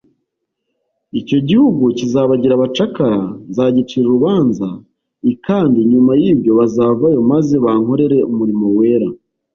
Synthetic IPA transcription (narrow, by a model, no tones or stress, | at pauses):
ico̞ɟihuɡucizaβaɟiɾaβat͡ʃakaɾazaːɟit͡ʃiɾuɾuβaːnza | ikaːndiɲumajibjo̞βazaːvajo̞maze̞βaŋ̥ho̞ɾe̞ɾe̞umuɾimo̞we̞ːɾa